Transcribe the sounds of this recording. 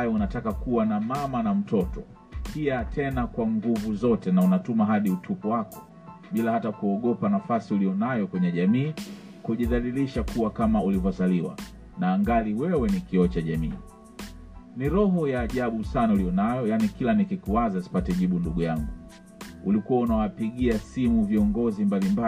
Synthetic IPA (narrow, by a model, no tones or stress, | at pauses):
ajɔunatakakuwanamamanam̩tɔtɔ | piatʰɛnakwaŋɡuvuzɔtɛnaunatumaɦaɗiutʰupɔwakɔ̥ | ɓilahatakuɔɠɔpanafasiulijɔnajɔkwɛɲɛʄamiː | kuʄiðaliliʃakuwakamaulivɔzaliwa̰ | naːŋɡaliwɛwɛnikiɔt͡ʃaʄamḭː | niɾɔɦɔjaːʄaɓusanaulijɔnajɔjanikilanikikuwazasi̥patɛʄiɓunduɠujaŋɡu | ulikuwaunawapiɠiasimuviɔŋɡɔzimbalimba